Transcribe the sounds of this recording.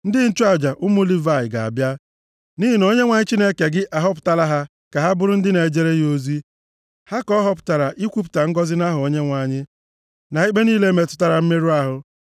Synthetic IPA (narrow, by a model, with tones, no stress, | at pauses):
n̩˦dɪ˦n̩˦tu˦a˨d͡ʒa˨ʔʊ˦mʊ˦li˦va˨ɪ˨ɡa˨a̰˨bja˦ | ni˦ɦi˦no˦ɲe˦ŋʷa˨ɲɪ˦t͡ʃi˦ne˦ke˨ɡɪ˦ʔa˨ɦɔ˦p̬ʊ̥˨ta˨ɾa˦ɦa˦ | ka˨ɦa˦bʊ˦ɾʊ˦n̩˦dɪ˦ne˨d͡ʒe˦ɾe˦jo˦zi˦ | ha˦kɔ˦ɦɔ˦pʊ̥˨ta˨ɾa˨ʔi˦kʷu˦p̬ʊ̥˨ta˨ŋ̩˦ɡɔ˦zɪ˦na˦ɦʊ˨o˨˦ɲe˦ŋʷa˨ɲɪ˦ | na˨i˦k͡pe˦niː˦le˦me˨tʊ̥˦ta˦ɾa˨m̩˦me˦ɾu˦a˦ɦʊ˦